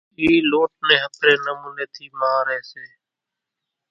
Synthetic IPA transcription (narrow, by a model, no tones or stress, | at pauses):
iːloːʈ̚nẽːɦəpɾeːnəmuːneːt̪ʰiːmaːɾeːseː